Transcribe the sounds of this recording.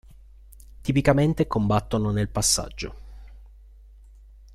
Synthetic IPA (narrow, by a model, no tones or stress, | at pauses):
t̪ipikament̪ekombat̪ːononelpasːa̰d͡ʒːo̰